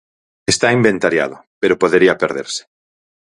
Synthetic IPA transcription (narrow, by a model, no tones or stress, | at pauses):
est̪aimbent̪aɾja̰ðʊpeɾopoðeɾiapeɾðḛɾsɪ̥